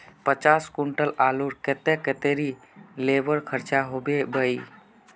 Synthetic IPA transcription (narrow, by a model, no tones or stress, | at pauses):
pət͡ʃaskuɳʈəlaluɾket̪ɛket̪eɾi | leʋəɾkʰəɾt͡ʃaɦobebəi